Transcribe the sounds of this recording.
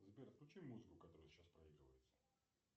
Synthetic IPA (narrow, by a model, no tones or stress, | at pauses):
zbʲeɾfklʲut͡ɕimːuzɨkʊkɐt̪oɾʊjst͡ɕaspɾɐiɡɾəvəjɪt̪sə̥